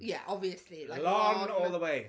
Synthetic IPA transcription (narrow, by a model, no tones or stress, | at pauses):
jæʔɒbviəslilaɪlɔ̃ŋɔːlˠðəweɪ